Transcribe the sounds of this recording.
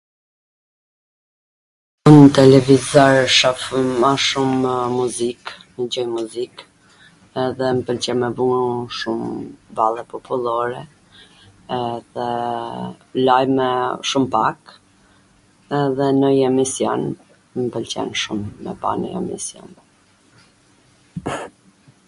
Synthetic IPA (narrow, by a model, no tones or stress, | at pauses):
unt̪ɛlɛvizɔɾʃafmaʃummuzik | nəd͡ʑɔjmuzik | ɛðɛmpəlt͡ɕɛnmɛvuuʃumbalˠɛpɔpʰulˠɔɾɛ | ɛðɛ | lajmɛʃumpak | ɛðɛnəjɛmisjɔ̰n | mpəlcɛ̰nʃumːɛ̰pa̰nə̰ɛ̰mḭsjɔ̰n